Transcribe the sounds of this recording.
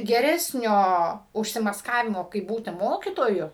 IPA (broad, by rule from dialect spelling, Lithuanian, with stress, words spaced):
ɡʲɛˈrʲæːsʲnʲoː ʊʃʲsʲɪmɐsˈkɑːʋʲɪmoː kɐɪp ˈbuːtʲɪ ˈmoːkʲɪtoːjʊ